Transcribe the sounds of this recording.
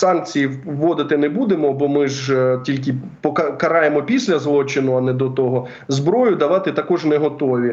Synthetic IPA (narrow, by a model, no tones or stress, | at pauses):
sɑnk̚t͡sʲijiʋːɔd̪ɪt̪ɪnɛbud̪emɔbɔmɪʒtʲilʲk̬ɪ | pɔkɐkɐɾɑjemɔpʲisʲlʲɐzlˠɔt͡ʃɪnʊɐnɛd̪ɔt̪ɔɦɔ | zbɾɔjʊd̪ɐʋɑt̪ɪt̪ɐkɔʒnɛɦɔt̪ɔʋʲi